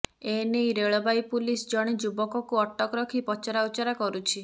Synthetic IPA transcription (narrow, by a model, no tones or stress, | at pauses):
enejɾeɭɔbajpulisd͡ʒɔɽ̃id͡ʒubɔkɔkuɔʈːɔkɔɾɔkʰipɔt͡ʃɔɾaut͡ʃaɾakɔɾut͡ʃʰi